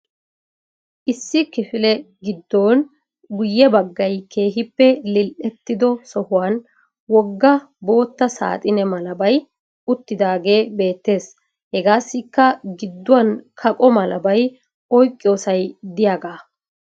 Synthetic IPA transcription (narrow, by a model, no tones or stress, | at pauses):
ʔɪsːɪkɪfɪlɛɡɪd̪ːoːn | ɡʊjːɛbɐɡːɐjkʰe̞ːɦɪpːɛlɪlʔɛt̪ːɪd̪ɔsɔhʊwaːn | wɔɡːɐ | bo̞ːt̪ːɐsa̰ːt̪ʼɪnɛmɐlɐbɐj | ʊt̪ːɪd̪aːɡe̞ːbe̞ːt̪ːe̞ːs | hɛɡaːsːɪkːɐɡɪd̪ːʊwɐnkʰɐkʼɔmɐlɐbɐj | ɔjkʼːɪjo̞ːsɐjd̪ɪjaːɡaː